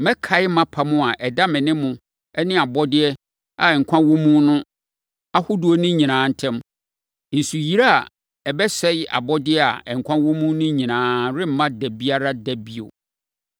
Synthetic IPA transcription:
mɛ̃˦kʰa˨ɪ˦mã˦pʰa˨mʊ̃˦a˨ʔɛ˨da˦mɪ̃˨nɪ̃˦mʊ̃˨ | ɛ˦nɪ̃˦a˨bɔ˦dɪ˦ɛ˦ | a˨ɛ˨ŋ̩˨kʷʰã˦wõ˦mũ˦nʊ̃˦ | a˦hʊ˦du˦o˦nʊ̃˦ɲĩ˨nãː˨˦n̩˦tʰɛ̃˦m | n̩˨su˨ji˦ɾa˦a̰˨ | ɛ˨bɛ˦sɛ˦jɪ˦a̰˨bɔ˦dɪ˦ɛ˦a̰˨ɛ˨ŋ̩˨kʷʰã˦wɔ̃˦mũ˦nʊ̃˦ɲĩ˨nãː˨˦ɾɪ˦m̩˨mã˦dæ˨bi˦a˦ɾa˦dæ˦bi˦o̰˨

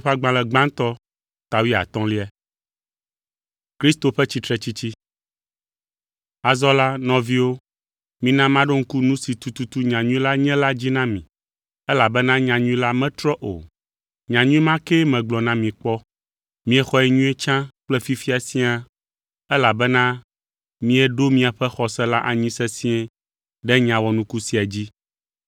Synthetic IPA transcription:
ɸa˦ɡ͡bã˨lɛ˨ɡ͡bã˦ŋ˦t̪ɔ˦ | t̪a˨wi˦a̰˨t̪ɔ̃˦li˦ɛ˦ | kɾi˦st̪o˨ɸɛ˦t͡ɕi˦t̪ɾɛ˦t͡ɕi˦t͡ɕi˦ | a˨zɔ˦la˦nɔ̃˨vi˦wo˦ | mĩ˨nã˦mã˦ɖo˦ŋ̩˦ku˦nũ˦si˨t̪u˨t̪u˨t̪u˦ɲã˨ɲũ˦ĩ˦la˦ɲɛ̃˦la˦d͡ʑi˦nã˦mḭ̃˨ | ɛ˦la˨bɛ˦nã˦ɲã˨ɲũ˦ĩ˦la˦mɛ̃˦t̪ɾɔ˦ʔo̰˨ | ɲã˨ɲũ˦ĩ˦mã˦kɛ˦mɛ̃˨ɡ͡blɔ˨nã˦mĩ˨k͡pɔ˦ | mĩ˦ɛ˨xɔ˨ɛ˨ɲũ˦ɛ˦t͡ʃã˦k͡plɛ˦fi˦fi˦a˨si˦a˦ | ɛ˦la˨bɛ˦nã˦ | mĩ˦ɛ˨ɖo˦mĩ˦a˨ɸɛ˦xɔ˨sɛ˦la˦ʔa˨ɲĩ˦sɛ˦sĩ˦ɛ˦ | ɖɛ˦ɲã˨wɔ˨nũ˦ku˦si˨a˨d͡ʑi˦

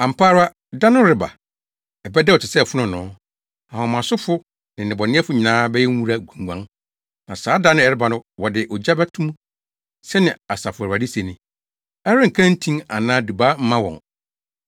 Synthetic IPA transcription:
a˨m̩˨pʰaː˦ɾa˦ | da˦nʊ̃˦ɾɪ˨ba̰˨ | ɛ˨bɛ˦dɛ˦ɔ˨tʰɪ˨sɛ˦˨fʊ˦nʊ̃˨nʊ̃˨˦ | a˨hɔ̃˨mã˨sʊ˦fʊ˦ | nɪ̃˨nɪ̃˨bɔ˨nɪ̃˦ɛ˦fʊ˨˦ɲɪ̃˨nãː˦bɛ˦jɛ˦ŋ̩˦ũ˦ɾa˦ɡũ˨ŋ̩˨ɡʷã˨˦ŋ | nã˨saː˨˦da˦nʊ̃˦ɛ˨ɾɪ˦ba˨nʊ̃˦wɔ˨dɪ˨ʔɔ˨d͡ʑa˦bɛ˦tʰũ˦mũ˦ | sɛ˦nɪ̃˨a˨sa˨fʊ˨ɾa˨di˦se˨nɪ̃˨ | ɛ˦ɾɪ˦ŋ̩˨kʰã˦n̩˦tʰĩ˦ŋa̰˨nãː˦du˨baː˦m̩˦mã˦wɔ̰̃˨ŋ

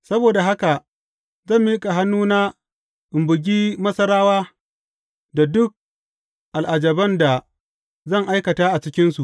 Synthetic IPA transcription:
sɐ˦boː˨da˨ɦa˦ka˨ | zɐ˦˨mːiː˦kʼa˨ɦa˦nːuː˦na˦ | ʔɪ˨mbʊ˨ɡʲiː˦mɐ˦sɐ˦ɾaː˦waː˦ | da˨dʊ˦k̚ | ʔa˨lʔa˨d͡ʒɐ˨bɐ˦nda˨ | zɐ˦˨ŋʔa˦jkɐ˨taː˦ʔa˨t͡ʃɪ˦kʲɪ˦nsu˨ʔ

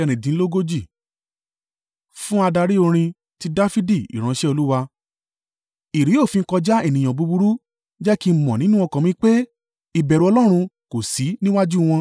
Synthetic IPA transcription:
ɛ˧ɾ̃ĩ˨dĩ˨˦lo˦ɡo˦d͡ʒi˦˨ | fũ˦a˧da˧ɾi˦o˧ɾ̃ĩ˧ | ti˦da˦fi˦di˦˨ḭ˨ɾ̃ã˨˦ʃɛ˦o˧lu˦wa˧ | i˨ɾi˨˦o˦˨fĩ˧ŋ̩˦kɔ˧d͡ʒa˦ɛ˦˨nĩ˨j̃ã˨bu˨˧bu˧ɾu˦ | d͡ʒɛ˦ki˦mɔ̃˨nĩ˦nũ˦ɔ˧kã˨mĩ˧˦k͡pe˦ | i˨bɛ˨ɾu˧ɔ˧lɔ˦ɾ̃ũ˧ko˨si˨˦nĩ˦wa˦d͡ʒu˦w̃ɔ̃˧

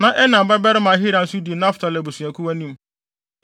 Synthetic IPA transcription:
nã˨ʔɛ˦nã˨m̩˨ba˦bɛ˦ɾɪ˦mã˨˦ɦi˦ɾã˨n̩˦sʊ˦di˨nã˦fʊ̥˨tʰa˨lɛ˨bu˨su˨æ˨kʰu˦wa˦nĩ˦m˦

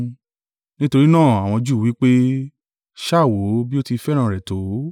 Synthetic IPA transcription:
nĩ˦to˧ɾi˦nãː˦˨a˨w̃ɔ̃˧d͡ʒuː˦˨wi˨˦k͡pe˦ | ʃa˦˨wo˨˦bi˦o˦ti˧fɛ˦ɾ̃ã˦˨ɾɛ˨to˨˦

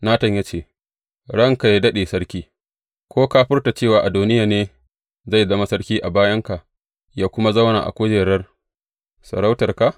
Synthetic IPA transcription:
naː˦tɐ˨ɲjaː˦t͡ʃeː˦˨ | ɽɐ˦˨ŋka˨ja˦dɐ˦ɗeː˨sɐ˦ɽkʲiː˦ | kʷoː˦ka˦ɸɪ˦rta˨t͡ʃeː˦˨waː˨ʔa˨doː˨nɪ˦jaː˨neː˦ | za˦˨jzɐ˦ma˦sɐ˦ɽkʲiː˦ʔa˨baː˦jɐ˦ŋka˨ʔ | jaː˦kʷʊ˦ma˦zɐ˦wna̰˨ʔa̰˨kʷoː˦d͡ʒeː˨ɽɐ˦r | sɐ̰˨ɾa˦wtɐ˨rka˨ʔ

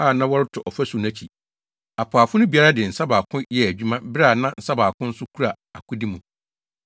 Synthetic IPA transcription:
aː˦˨nã˦wɔ˦ɾɪ˦tʰʊ˨ʔɔ˨fæ˦su˨næ̃˦t͡ɕʰi˨ | a˨pʰʊ˨a˨fʊ˦nʊ̃˦bi˨a˦ɾa˦dɪ˨n̩˨sa˦baː˨kʰʊ̃˦jɛ˦æ˨d͡ʑᶣu˦mã˦bɾa˦˨nã˦n̩˨sa˦baː˨kʊ̃˦n̩˦sʊ˦kʰu˦ɾa˨ | a˨kʊ̃˦di˦mũ˨

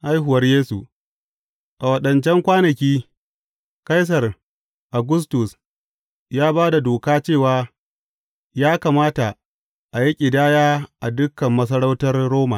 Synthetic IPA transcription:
ʔa˦jɦʊ˨wɐ˦rjeː˦su˨ | ʔa˨wɐ˨ɗɐ˨nt͡ʃɛ˦ŋkʷaː˦nɐ˨kʲiː˦ | ka˦js̬ɐ˨r | ʔa˨ɡʊ˦s̬tʊ˨s | jaː˦baː˦da˨doː˨kaː˦t͡ʃeː˦˨waː˨ | jaː˦kaː˨maː˦ta˨ | ʔa˨ji˦kʲʼɪ˨daː˦jaː˦ʔa˨dʊ˦kːɐ˨mːɐ˦s̬ɐ˦ɽa˦wtɐ˦rːoː˦ma̰˨

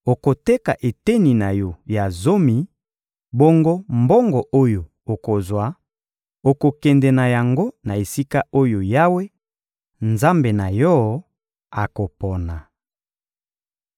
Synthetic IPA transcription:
o˨ko˨tɛ˦ka˨ʔe˨te˦ni˨na˨jɔ˨ja˨zo˦mi˨ | bo˦ŋɡo˦mbo˦ŋɡɔ˨ʔo˦jo˨ | o˨ko˨zwa˨˦ | o˨ko˨kɛ˨ndɛ˨na˨ja˨ŋɡo˦na˨e˨si˦ka˦o˦jo˨ja˦we˦ | nza˦mbe˨na˨jɔ˦˨ | a˨ko˨pɔ˨na˨

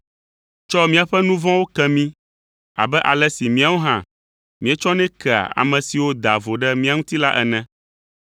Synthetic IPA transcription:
t͡ʃɔ˦mĩ˦a˨ɸɛ˦nũ˦vɔ̃˦wo˦kɛ˦mĩ˦ | a̰˨bɛ˦ʔa˨lɛ˦si˨mĩ˦a˨wo˦ɦã̰˦ | mĩ˨˦ɛ˦t͡ʃɔ˦nɛ̃˦kɛ˨a̰˨a̰˨mɛ̃˨si˨wo˦d̪a˨vo˨ɖɛ˦mĩ˦a˨ŋũ˦t̪i˦la˦ʔɛ˨nɛ̃˦

